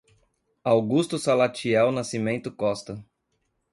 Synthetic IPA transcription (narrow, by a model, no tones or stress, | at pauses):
awɡust̪ʊsalat͡ʃiɛwnasimẽnt̪ʊkɔst̪ɐ